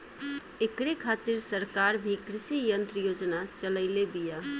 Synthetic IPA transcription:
ekɾekʰat̪iɾsəɾkaɾbʱikɾisijənt̪ɾəjod͡ʒnat͡ʃələɪlebija

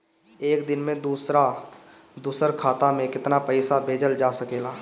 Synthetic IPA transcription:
eːkd̪ɪnmẽd̪uːsɾa | d̪uːsəɾkʰaːt̪amẽkɪt̪napəɪsabʱeːd͡ʒəld͡ʒaːsəkeːlaː

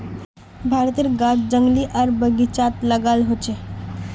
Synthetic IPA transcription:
bʱaɾt̪iɾɡatd͡ʒəŋɡliʔəɾbəɡit͡ʃat̪ləɡalɦot͡ʃe

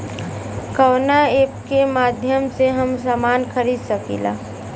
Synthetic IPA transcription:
kəːnaeːpkemaːd̪ʱjəmseɦɐms̬aːmaːnkʰəɾiːd̪səkḭːla̰ː

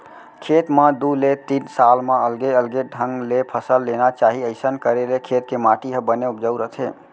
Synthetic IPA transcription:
kʰet̪mãd̪ulet̪insalmẽəlɡeəlɡeɖʱəŋɡlepʰəsəlːenat͡ʃaɦiəɪsənkəɾelekʰet̪kemaʈiɦəbəneupd͡ʒəwɾəɦt̪ʰe

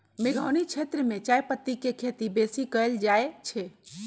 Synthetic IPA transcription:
meɡʱəwnit͡ʃʰet̪ɾəmet͡ʃajpət̪ːikekʰet̪ibesikəld͡ʒaet͡ʃʰɛ

